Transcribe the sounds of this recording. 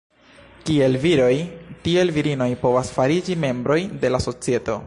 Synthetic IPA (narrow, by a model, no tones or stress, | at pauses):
kie̞lviɾo̞jtie̞lviɾino̞jpo̞vasfaɾid͡ʒime̞mbɾo̞jde̞laso̞t͡sie̞to̞̰